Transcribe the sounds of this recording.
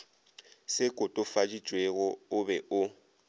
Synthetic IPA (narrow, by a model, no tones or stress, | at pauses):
sɪkʼʊtʼʊfad͡ʒi̥t͡ʃʼweɣɔʊbɛʔʊ